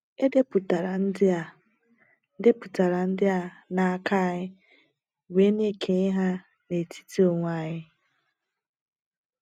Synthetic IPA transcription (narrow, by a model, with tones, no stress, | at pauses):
e˦de˦pu˨ta˨ɾa˨n̩˦dɪ˦a˨˦ | de˦pu˨ta˨ɾa˨n̩˦dɪ˦a˦na˦˨a˦˨ka˦˨ɲɪ˦ | we˨˦ne˦kʰe˨ɪ˦ɦa˦ | ne˨tʰi̥˦ti˦o˨ŋʷa˦˨ɲɪ˦